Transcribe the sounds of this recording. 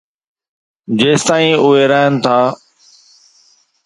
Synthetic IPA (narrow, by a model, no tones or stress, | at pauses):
d͡ʑeːst̪aːĩːʊeːɾaːɪnt̪ʰaː